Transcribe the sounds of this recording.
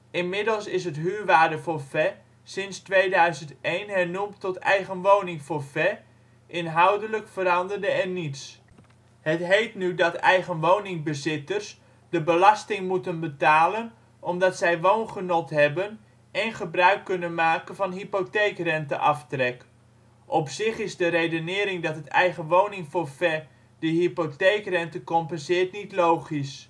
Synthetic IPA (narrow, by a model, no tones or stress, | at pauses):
ɪnmɪdəlˠsɪsɦətɦyːrʋaːdəvoːrfɛ | sɪnstʋejdœɥzəntejnɦɛrnumtɔtɛ̰jɣənʋownɪŋfoːrfɛ | ʔɪnɦawdələkfəɾɑndərdəɛrnits | hətɦejtnydɑtɛjɣənʋownɪŋbəzɪtərs | dəbəlɑstɪŋmutənbətaːlən | ʔɔmdɑtsɛjʋownχənɔtɦɛbən | ɛnχəbrœɥkːɵnənmaːkənvɑnɦipotekrɛntə̰ʔɑftrɛk | ʔɔpsɪχɪzdəɾejdənɪːɾɪŋdɑtətɛjχəʋownɪŋfoːrfɛ | dəɦipotejkrɛntəkɔmpənsɪːtnitlowχis